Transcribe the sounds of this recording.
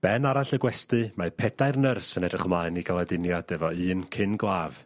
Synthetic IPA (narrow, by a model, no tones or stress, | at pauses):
b̥ɛnaɾaɬəɡwɛstɨmapʰɛdaɨrnərsənɛdrɪχəmlaɨniɡalˠadɪnjad̥ɛvɔɨːnkʰɪnɡlˠaːv̥